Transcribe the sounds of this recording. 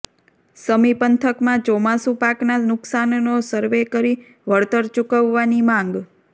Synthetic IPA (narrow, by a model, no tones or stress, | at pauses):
səmipənt̪ʰəkmãd͡ʒɔmasupaknanʊksannosəɾʋekəɾi | ʋəɭt̪əɾt͡ʃukəʋːanimãŋɡ